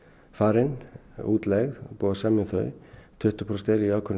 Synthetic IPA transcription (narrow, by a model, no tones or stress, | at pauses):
faːɾɪnuːt̪lɛɣpuːðasaːmɪθœ̰ːɥt̪ʰʏht̪ʏ̥pʰɾɔst̪eːliaːwkʰʏn